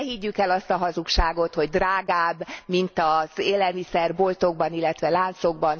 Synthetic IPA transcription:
hiɟːykɛlɒst̪ɒɦɒzukʃaːɡo̞t̪ho̞ɟd̪raːɡaːbːmint̪ɒz̥eːlɛlmisɛrbolt̪oɡbɒnilːɛt̪ʋɛlaːnt̪so̞ɡbɒn

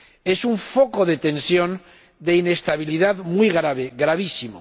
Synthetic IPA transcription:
e̞suɱfokoðet̪ensjon | d̪e̞ine̞st̪aβiliðaðmjɣɾaβeɣɾaβ̞isimo

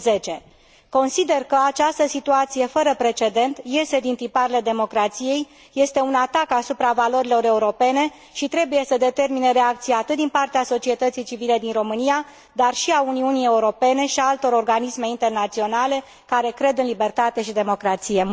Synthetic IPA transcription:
ze̞t͡ʃe̞ | ko̞nsid̪e̞rkəat͡ʃast̪əsit̪uat̪sije̞fəɾəpɾe̞t͡ʃe̞d̪e̞nt̪je̞st̪e̞d̪int̪ipaɾele̞d̪e̞mo̞kɾat̪sije̞jː | e̞st̪e̞unat̪akasupɾavalo̞ɾilo̞ɾe̞uɾo̞pe̞ne̞ | ʃit̪ɾe̞buje̞səd̪e̞t̪e̞rmineɾe̞akt̪sijaːt̪ɨt̪̚d̪inpart̪easo̞t͡ʃie̞t̪ət̪sijt͡ʃivile̞d̪inro̞mɨnija | d̪arʃiauniunije̞uɾo̞pe̞ne̞ʃiaalt̪o̞ɾo̞rɡanisme̞int̪e̞rnat̪sio̞nale̞ | kaɾe̞kɾe̞d̪ɨnlibe̞rt̪at̪e̞ʃid̪e̞mo̞kɾat̪sije̞

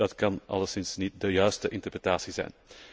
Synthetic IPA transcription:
ɑtkɑnʔɑ̰lˠəsɪnsnit̚dəjœɥstəʔɪntərprətaːsizɛ̰jn

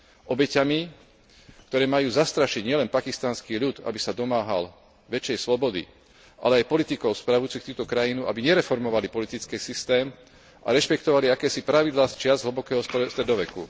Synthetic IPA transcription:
ʔɔbɛcami | kt̪ɔɾɛːmajuːzast̪ɾaʃiɟɲɪɛlɛnpakist̪anskiːʎut̪a̰bisad̪ɔmaːɦa̰l | ʋɛt͡ʃɪjɛjslɔbɔd̪ḭ | ʔa̰lɛajpɔlit̪ikɔʊspɾaʋujut͡sixt̪uːt̪ɔkɾajinuʔa̰biɲɛɾɛfɔɾmɔʋalipɔlit̪it͡skɛːsist̪ɛːm | ʔa̰ɾɛʃpɛkt̪ɔʋaliakɛːsipɾaʋid̪laːst͡ʃɪazɦl̩bɔkɛːɦɔsst̪ɾɛd̪ɔʋɛkṵ

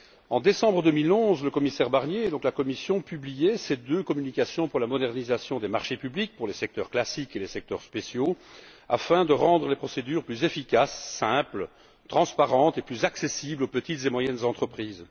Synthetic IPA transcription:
ɑ̃d̪esɑ̃bʁəd̪ømilɔ̃zləkɔmisɛʁbaʁnjeɛd̪ɔ̃klakɔmisjɔ̃pyblijesed̪økɔmynikʲasjɔ̃puʁlamɔd̪ɛʁnizasjɔ̃d̪emaʁʃepyblik̚puʁlesɛk̚t̪œʁklasikelesɛk̚t̪œ̰ʁspesjoa̰fɛ̃d̪əʁɑ̃d̪ʁəlepχɔsed̪yːʁplyzefikʲasːɛ̃pl | t̪χɑ̃spaʁɑ̃t̪eplyzaksesiblopət̪it̪zemwajɛnzɑ̃t̪χəpχiːz

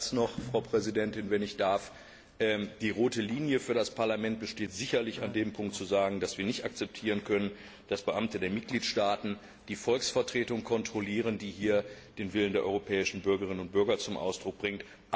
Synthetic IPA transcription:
snɔχfʁ̥aʊpʁ̥ɛzidɛntɪnvɛnɪçd̥aɐf | ʔɛːd̥iːʁoːtəliːnjəfyːɐɾaspaɐlamɛnt̚b̥əʃteːtz̥ɪçɐlɪçandeːmpʰʊŋktt͡suzaːɡŋ̩dasv̥iːɐnɪçtak̚t͡sɛp̚tʰiːʁ̞ənkʰœnən | d̥asb̥əʔamtədeːɐmɪt̚ɡ̥liːtʃtaːtn̩ | d̥iːfɔlksfɛɐtʁ̥eːtʊŋkʰɔntʁ̥oliːʁ̞əndiːhiːɐd̥eːnvɪləndeːɐʔɔ̰ʁopʰɛːɪʃn̩bʏɐɡəʁɪnənʊntb̥ʏɐɡɐt͡sʊmʔa̰ʊsd̥ʁʊk̚b̥ʁɪŋt | ʔ

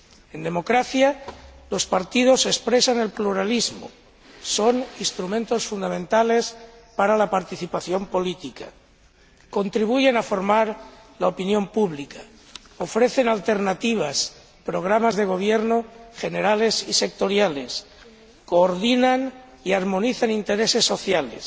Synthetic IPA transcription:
e̞nd̪e̞mo̞kɾaθjalo̞spaɾt̪ið̞o̞sespɾe̞sane̞lpluɾalizmo̰ | so̞ninst̪ɾumẽnt̪o̞sfund̪amẽnt̪ale̞spaɾalapaɾt̪iθipaθjo̞mpo̞lit̪ikʰa | ko̞nt̪ɾiβ̞uʝe̞nafo̞ɾmaɾlaopinjo̞mpuβlika | ofɾe̞θe̞nalt̪e̞ɾnat̪iβ̞as | pɾo̞ɣ̞ɾamazðe̞ɣ̞o̞β̞jeɾnoxe̞ne̞ɾale̞sise̞k̚t̪o̞ɾjale̞s | koːɾðinan | iaɾmõ̞niθanint̪e̞ɾe̞se̞sːo̞θjalḛs

